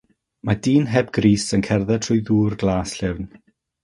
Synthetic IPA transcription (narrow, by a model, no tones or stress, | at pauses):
madiːnɦɛbɡriːsənkʰɛrðɛtʰʊjðuːrɡlˠaːsɬɪvn